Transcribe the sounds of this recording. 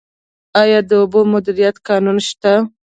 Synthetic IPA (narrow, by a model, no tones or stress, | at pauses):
ɑjɑd̪əʊbomʊd̪iɾijat̪kɑnunʃt̪a